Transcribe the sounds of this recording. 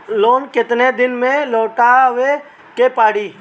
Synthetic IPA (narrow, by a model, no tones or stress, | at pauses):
loːnkɪt̪ned̪ɪnmẽloːʈaʋe | kepaːɽiː